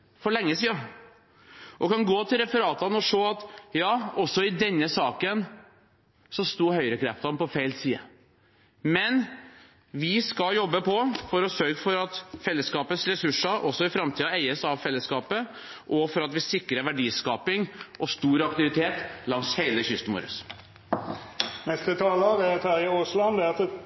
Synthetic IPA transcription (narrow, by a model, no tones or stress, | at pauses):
fɔɭɛŋːəsiːɑ | ʔɔkɑnɡoːt̪ʰɪlɾɛfəɾɑːt̪ɑnəɔʂoːɑt̪jɑːɔsːɔɪd̪ɛnːəsɑːkən | sɔst̪uːhœʏəɾəkʰɾɛft̪ɑmpɔfeɪlsiːə̰ | mɛn | ʋɪskɑjɔbːəpʰɔfɔɾɔsœɾɡəfɔɾɑt̪fɛlːəskɑːpəsɾɛsʉʂːəɾʔɔsːɔɪfɾɑmt̪ʰiːɑæɪəsɑʋfɛlːəskɑːpə | ʔɔfɔɾɑt̪ʋɪsɪkːɾəʋæɖiːskɑːpɪŋʔɔst̪uːɾɑk̚t̪ɪʋɪt̪ʰeːt̪lɑŋsheɪləçʏst̪əmṵːɾʉ̰s | nɛst̪ət̪ʰɑːlɑːʋɛt̪ʰæjəoːslɑnd̪ɛɑt̪